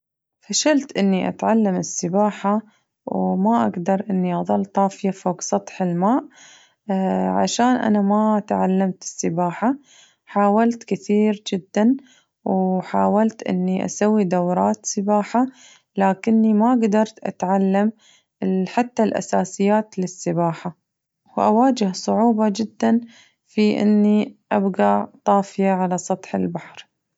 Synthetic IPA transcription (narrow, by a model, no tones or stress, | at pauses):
faʃalt̪ʔɪnːiʔa̰t̪ʕalːamɪsːɪbaːħa | wmaʔaɡd̪ɑɾˤʔɪnːiʔɑðˤɑlːt̪ˤɑːfɪjafoːɡsˤɑt̪ˤħɪlmaːʔ | ʕa̰ʃaːnʔa̰namat̪ʕalːamt̪ɪ̥sːɪbaːħa | ħaːwalt̪kɪθiːɾd͡ʒɪd̪ːan | wħaːwalt̪ʔɪ̰nːiʔa̰sawːid̪awɾˤɑːt̪sɪbaːħa | laːkɪnːimaɡd̪ɑɾˤt̪ʔa̰t̪ʕalːam | ħat̪ːalʔa̰saːsɪjːaːt̪lɪsːɪbaːħa | wʔa̰waːd͡ʒɪhsˤʊʕuːbɑd͡ʒɪd̪ːan | fiʔɪ̰nːiʔabɡaʕt̪ˤɑːfɪjaʕalasˤɑt̪ˤħɪ̰lbaħɾ